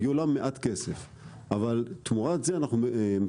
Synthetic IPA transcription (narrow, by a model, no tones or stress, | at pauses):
julamːeʔat̪kesef | ʔavalt̪muʁat̪zeanaχnum